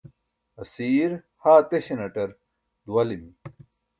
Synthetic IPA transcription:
ɐsiːɾ | haːt̪eɕenɐʈɐɾ | d̪uwɐlimi

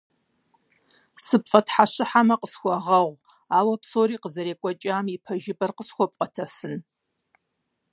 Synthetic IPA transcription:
sɨpfʼɐtħaɕɪħamɐqəsxʷɔʁɐʁʷ | aːwɐpsoːɾiːqəzɐɾeːkʷʼɔt͡ʃʼaːmipʰɐʒɪbɐrqəsxʷɔp̚ʼqʼɐtʰɐfɨn

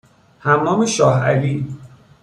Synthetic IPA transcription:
hæmːɒːmeʃɒːhæ̰liːn

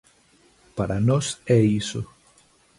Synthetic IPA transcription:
paɾanɔsɛiso

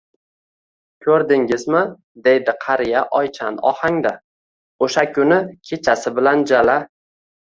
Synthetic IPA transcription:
kʲʰɵɾd̪ɪŋʲɪzmɪ | d̪e̞jd̪ɪqʰɑɾɪjaʔɒjt͡ʃʰa̰nɒ̰haŋd̪a | oʃakʲʰʊnɪkʲʰe̞t͡ʃʰasɪbɪland͡ʒala

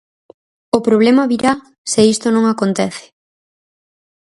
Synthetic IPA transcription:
opɾoβ̞lemaβiɾa | seist̪onõŋakont̪ɛθɪ̥

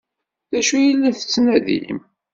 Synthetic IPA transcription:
ðæʃujilːiθə̥t͡sːnæðḭm

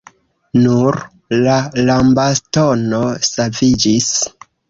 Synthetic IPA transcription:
nuɾ | lalambasto̞no̞savid͡ʒis

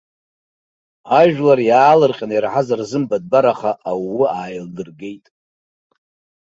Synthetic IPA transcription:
aʒᶣlarjaːlɨrqʲʼanjaɾħazarzɨmbad̚baɾaχaʔːwːiaːjldɨrɡe̞jtʼ

